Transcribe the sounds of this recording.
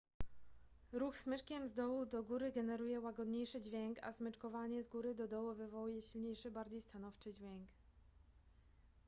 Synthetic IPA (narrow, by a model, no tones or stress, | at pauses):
ɾuxsmɘt͡ʂkʲɛmzd̪ɔwud̪ɔɡuɾɘɡɛnɛɾujɛwaɡɔd̪ɲejʂɘd͡ʑvʲjɛŋka̰smɘt͡ʂkɔvaɲɛzɡuɾɘd̪ɔd̪ɔwɔvɘvɔwujɛɕilɲejʂɘbaɾd͡ʑejst̪anɔft͡ʂɘd͡ʑvʲjɛŋk